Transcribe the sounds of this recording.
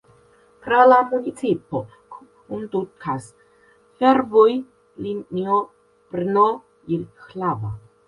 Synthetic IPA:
pɾalamunit͡sipo | k | und̪ukʰas | feɾvuj | linio | pɾno | iɾxlava

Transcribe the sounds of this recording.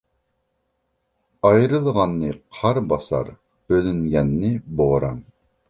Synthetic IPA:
ɑjɾɨlˠʁɑnːɨqʰɑɾbɑsɑ̰ɾ | b̥ølyŋɡʲɛnːɪboɾɑn

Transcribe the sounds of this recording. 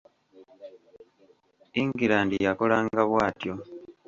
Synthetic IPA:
iŋɡiɾaːndijako̞laːŋɡaβwaːtjo̞

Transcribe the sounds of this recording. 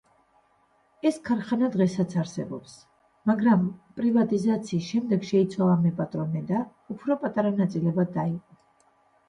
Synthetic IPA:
ɛskʰaɾχanad̪ʁɛsat̪sʰaɾsɛ̰bɔ̰ps | maɡɾampʼɾivat̪ʼizat̪sʰiːsʃɛmd̪ɛɡʃɛit̪sʰwalˠamɛpʼat̪ʼɾɔnɛd̪a | upʰɾɔpʼat̪ʼaɾanat̪sʼilɛbad̪aiqʼɔ

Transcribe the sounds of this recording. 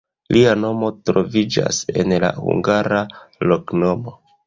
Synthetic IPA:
liano̞mo̞tɾo̞vid͡ʒa̰se̞nla̰hṵŋɡaɾalo̞kno̞mo̞

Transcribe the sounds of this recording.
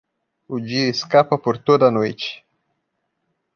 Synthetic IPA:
ud͡ʒiɾiskapapɨrt̪od̪anoḭt͡ʃ

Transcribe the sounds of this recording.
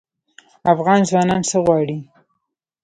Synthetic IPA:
afɣɑnzwɑnɑnsəɣwɑɽi

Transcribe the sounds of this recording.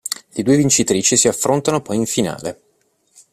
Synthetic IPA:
led̪uːevint͡ʃit̪ɾiːt͡ʃisiafɾont̪anopɔjiɱfina̰ːle

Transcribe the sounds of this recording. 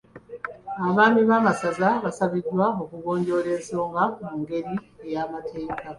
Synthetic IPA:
aβaːmiβaːmasazaβasaβidwao̞kuɣo̞ːɲɟo̞ːɾe̞ːnso̞ːŋɡamuːŋɡe̞ɾiejamatʰe̞ːka

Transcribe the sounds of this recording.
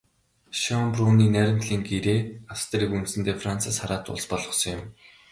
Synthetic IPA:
ʃɔmpruːniːnæɾʲɪ̆m̥t̪ɮiːŋɡeɾeːast̪ʰɾiːkunt̪sɘ̆nt̪eːfrant͡sʰasχaɾaːt̪ʊ̰ɮspɔɮʁɞ̆sɞ̆ŋjɪ̆m

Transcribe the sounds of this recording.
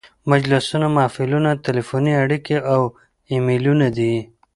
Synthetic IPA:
mad͡ʒlɪsunamɑːfilunat̪ɪlefoniaɽikeʔaw | imelunad̪i

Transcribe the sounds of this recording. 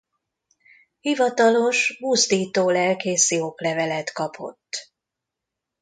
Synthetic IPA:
hivɒt̪ɒlo̞ʃmuzd̪iːt̪oːlɛlkeːsioklɛvɛlɛt̪kɒpʰo̞̰t̪ː

